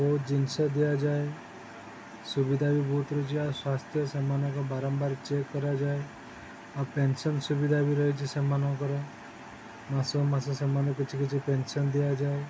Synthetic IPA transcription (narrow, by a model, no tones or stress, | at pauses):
ʋod͡ʒinsəd̪ijad͡ʒae | subid̪ʱabibʱoːt̪ɾɔt͡ʃʰiaswast̪ʰjəsemanɔ̃kɔbaɾɔmbaɾt͡ʃekːəɾad͡ʒae | apensənsubid̪ʱabiɾəɦet͡ʃʰisɛmanɔ̃kɔɾɔ | mãsomãsɔ̃semanekit͡ʃʰiket͡ʃʰipensənd̪ijad͡ʒaːe